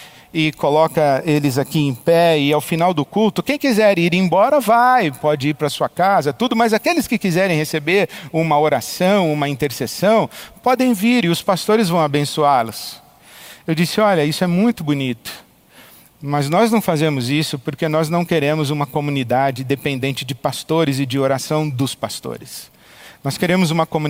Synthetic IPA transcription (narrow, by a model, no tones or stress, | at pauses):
ɪkolɔkɐelɪzakiẽj̃pɛɪawfinawd̪ʊkult̪ʊkẽj̃kizɛɾiɾẽj̃bɔɾɐvajpɔd͡ʒɪiɾpɾɐsuɐkazɐt̪ud̪ʊmɐzakelɪskɪkizɛɾẽj̃hesebeɾũmɐoɾasɐ̃w̃ũmɐĩnt̪eɾsesɐ̃w̃pɔd̪ẽj̃viɾɪʊspast̪oɾɪzvɐ̃w̃abẽsuaɾlʊs | ewd͡ʒisɪɔʎɐisʊɛmũj̃t̪ʊbunit̪ʊ̥ | mɐznɔznɐ̃w̃fazẽmʊzisʊpoɾkenɔznɐ̃w̃keɾẽmʊzũmɐkomũnid̪ad͡ʒɪd̪epẽnd̪ẽnt͡ʃɪd͡ʒɪpast̪oɾɪzɪd͡ʒɪoɾasɐ̃w̃d̪ʊspast̪o̰ɾɪs | nɔskeɾẽmʊzũmɐkomũ